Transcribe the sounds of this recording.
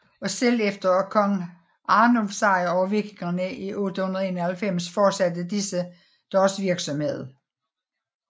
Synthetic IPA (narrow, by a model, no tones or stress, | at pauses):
ɒ̽sel̰efd̥ɐkʰɒ̽ŋ | ʔɑ̈ːnomsɑ̈ɪɐɒʊɐʋe̝ɡ̥eŋɐnəʔiʔod̥əhunɐð̞ˠeːnɐhælfem̰sfɒːd̥sæd̥əd̥isə | d̥ɒsʋiɐɡ̥sɒ̽mhe̝ð̰ˠ